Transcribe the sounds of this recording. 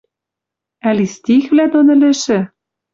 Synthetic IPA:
ælist̪ʲixvlæd̪onɘ̆lɘ̆ʃɘ̆

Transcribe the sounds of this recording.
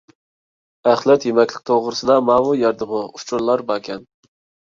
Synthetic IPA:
æχlˠɛt̪jemɛkʲlˠɪk̚ʲt̪ʰoʁɾɨsɨd̪ɑmɑːwujɛɾd̪ɨmʊut͡ʃʰuɾlˠɑɾbɑkʲʰɛn

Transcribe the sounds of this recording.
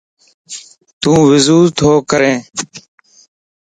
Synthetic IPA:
t̪ũːʋɪzuːɾt̪ʰoːkəɾẽː

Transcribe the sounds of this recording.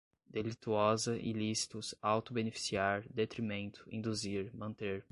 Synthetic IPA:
d̪̥elit̪uɔzɐʔḭlisi̥t̪ʊsawt̪ʊbenefi̥siaɾd̪et̪ɾimẽnt̪ʰʊ̥ĩnd̪uziɾmɐ̃nt̪eɾ

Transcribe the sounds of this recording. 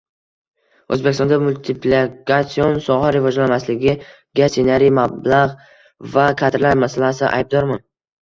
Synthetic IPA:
ɵ̰zbe̞kʲɪst̪ɔnd̪amʊlt̪ʰɪplikʰat̪sionsɒʁaɾɪvɒd͡ʒlanmaslɪɡʲɪ | ɡʲasenaɾijmablaʁ | vakʰad̪ɾlaɾmasalasɪʔa̰jb̚d̪ɒɾman

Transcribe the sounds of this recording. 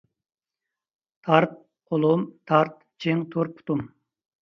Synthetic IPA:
t̪ʰɑɾt̪̚ | qʰolˠumt̪ʰɑɾt̪̚ | t͡ʃʰiŋt̪ʰuɾpʰu̥t̪um

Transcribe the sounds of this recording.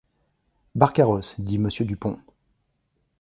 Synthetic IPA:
baʁkʲaʁɔsd̪iməsjəd̪ypɔ̃

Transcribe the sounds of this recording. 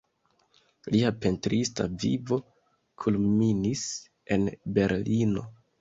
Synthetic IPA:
liape̞ntɾista̰vḭvo̞ | kʰulminis | e̞nbe̞ɾlino̞̰

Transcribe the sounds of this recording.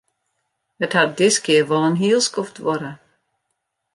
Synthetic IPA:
əthad̚dɪskiəvɔlˠənɦiːlˠskɔftvɔɾə

